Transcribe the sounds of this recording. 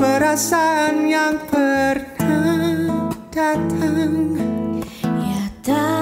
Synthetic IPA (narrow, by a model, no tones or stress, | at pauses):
bəɾasaanjaŋbərna | d̥at̪ʰaŋ | jad̪a